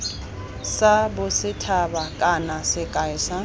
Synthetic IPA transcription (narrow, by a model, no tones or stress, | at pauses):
sabʊsɪtʰabakʼanasɪkʼaɪsa